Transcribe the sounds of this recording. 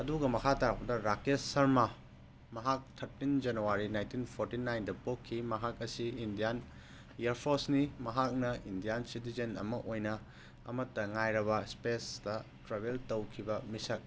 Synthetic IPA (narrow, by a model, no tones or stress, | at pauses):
ɐduɡɐmɐkʰataɾɐk̚pɐdɐɾakesːɐɾma | mɐɦak̚t̪ʰɐɾtind͡ʒɐnuwaɾinajntinpʰoɾtinajndɐpokʰːimɐɦak̚ɐsiːndijan | jeɾpʰoɾsnimɐɦak̚nɐindijansit̬izɐnɐ̰mɐʔojnɐ | ɐ̰mɐtːɐŋajɾɐbɐspesdɐtɾaβeltɐwkʰibɐmisɐk̚